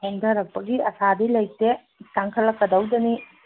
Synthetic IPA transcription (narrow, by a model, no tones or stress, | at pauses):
hendɐɾɐk̚pɐɡiɐsadilɐjte | sɐŋkʰɐlɐkːɐd̪ɐwdɐni